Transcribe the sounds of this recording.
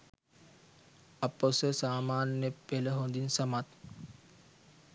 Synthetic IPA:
aposəsaːmaːnːəpeləɦond̪insamat̪

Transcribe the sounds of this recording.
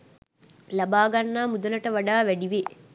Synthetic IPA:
lɐbaːɡɐnːaːmud̪ɐlɐʈɐʋɐɖaːʋæɖiʋe

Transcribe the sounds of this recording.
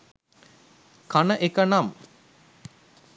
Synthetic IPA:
kanəʔekənam

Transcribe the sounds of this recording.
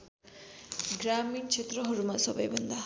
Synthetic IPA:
ɡɾamint͡ʃʰet̪rʌɦʌɾumasʌbʌjbʱʌnd̪a

